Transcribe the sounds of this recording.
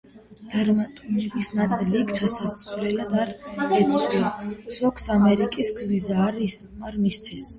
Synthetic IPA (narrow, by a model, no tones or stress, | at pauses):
d̪̥aɾmat̪ʼunɛbisnat̪sʼɛliːkʰt͡ʃʰasasvlɛlad̪aɾɛt̪sʰɾɛz̥ɔksamɛɾikʼisɡzvizaːɾismaɾmist̪sʰɛs